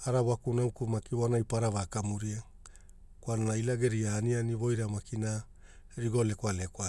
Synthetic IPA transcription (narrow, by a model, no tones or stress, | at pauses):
aɾawakunaukumakianajpaɾaβakamuɾia | kwananailaɡe̞ɾiaːnianiβo̞jɾamakina | ɾiɡo̞le̞kaleka